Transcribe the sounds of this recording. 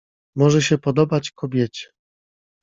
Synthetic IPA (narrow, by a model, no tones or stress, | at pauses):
mɔʐɛɕɛpɔd̪ɔbat͡ɕkɔbʲjɛt͡ɕɛ̥